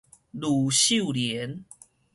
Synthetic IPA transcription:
lu˨˩ɕu˥˨ljɛ˨˦n

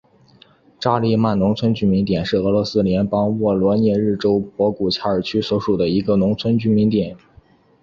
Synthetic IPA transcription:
ʈ͡ʂa˥li˥˧ma˥˩nnʊ˧˥ŋt͡sʰwə˥nt͡ɕy˥mi˧˥nt̪jɛ˨˩nʂɻ̩˥˩ɤ˧˥lwɔ˧˥sɹ̩˥ljɛ˧˥npɑ˥ŋwɔ˥˩lwɔ˧˥njɛ˥˧ɻɻ̩˥˩ʈ͡ʂo˥ʊpwɔ˧˥ku˨˩t͡ɕʰja˥˩ə˞˨˩t͡ɕʰy˥swɔ˧˥ʂu˨˩d̪ə˦i˧˥ɡə˧nʊ˧˥ŋt͡sʰwə˥nt͡ɕy˥mi˧˥nt̪jɛ˨˩˦n

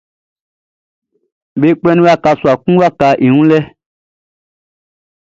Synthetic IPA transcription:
be˦k͡pɛ̃˦nĩ˦wa˦ka˧su˨a˨kũ˦wa˦ka˧˦ʔi˨ŋũ˦lɛ˦

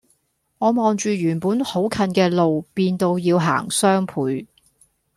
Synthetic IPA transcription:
ŋɔː˨˧mɔː˨ŋt͡ʃyː˨jyː˨˩npuː˨˥nho˨˥wkʰɐ˧nkɛː˧lo˨wpiː˧nt̪o˧wjiː˧wɦa̰ː˨˩ŋsœː˥ŋpʰuː˨˥j

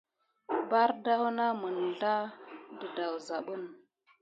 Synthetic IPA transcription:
ba˦ɾda˦hu˦na˦mə˨n˨ɮa˦də˨da˨wza˨ɓə˦n

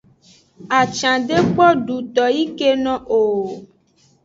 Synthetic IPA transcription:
a˨t͡ʃã˨ɖe˦k͡pɔ˦ɖu˨t̪ɔ˨ji˦ke˦nɔ̃˨ʔo˨

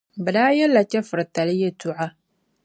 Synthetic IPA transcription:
ba˨daː˦jɛ˦lːa˨t͡ʃɛ˦fʊ˨ɾta˨lɪ˦jɛ˦tu˦ʕa˦

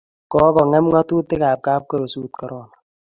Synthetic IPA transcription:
kɔː˦kɔ˨ŋɛ˦mŋa˦tu˦tɪ˦kaː˨p̚kaː˦p̚kɔ˦ɾo˨suː˦tkɔ˨ɾɔ˦na˨

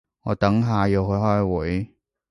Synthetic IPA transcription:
ŋɔː˨˧t̪ɐ˨˥ŋɦaː˨˧jiː˨˧wɦɵ˧˥ɦɔː˥jwʊ˨˥j

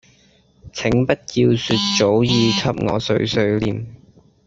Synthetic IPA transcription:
t͡sʰɪ˨˥ŋpɐ˥t̚ki˧wsyː˧t̚t͡so˨˥wjiː˨˧t͡sʰɐ˥p̚ŋɔ̰ː˨˧sɵ̰˨˥ɥsɵ˨˧ɥliː˨˩m

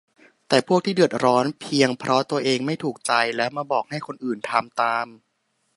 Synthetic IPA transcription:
t̪ɛː˨˩pʰu˥˩k̚t̪ʰiː˥˩dɯ˨˩ət̪̚ɾɔː˦˥npʰi˧əŋpʰɾʔɔ˦˥t̪u˧ɐʔeː˧ŋma˥˩jt̪ʰuː˨˩k̚t͡ɕa˧jlɛː˦˥wmaː˧bɔː˨˩k̚ha˥˩jkʰo˧nʔɯː˨˩nt̪ʰa˧mt̪aː˧m

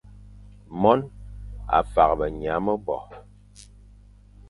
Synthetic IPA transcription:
mɔ˦na̰˨fa˨ɣbə˨ɲ˨a˨˦mə˦bɔ̰˨

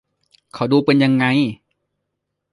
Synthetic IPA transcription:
kʰa˨˩wduː˧pe˧nja˧ŋːa˧j

